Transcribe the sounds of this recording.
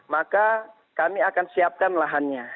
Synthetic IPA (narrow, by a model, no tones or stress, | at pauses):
maka | kamiakansiap̚kanlaɦanɲa